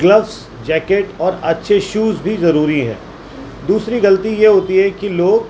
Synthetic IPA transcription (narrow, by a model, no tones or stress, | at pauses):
ɡlɐʋs | d͡ʒɛːkeʈɔːɾɐtːʃʰeʃuːzbʱizɐɾuːɾiɦɛ̰̃ː | d̪uːsɾiɡɐlət̪ijeɦoːt̪iɦɛkiloːɡ